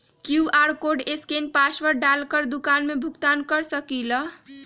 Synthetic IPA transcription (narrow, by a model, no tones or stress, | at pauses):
kjuaɾkoɖeskenpasʋəɾɖalkəɾd̪ukanmebʱukt̪ankəɾsəkilə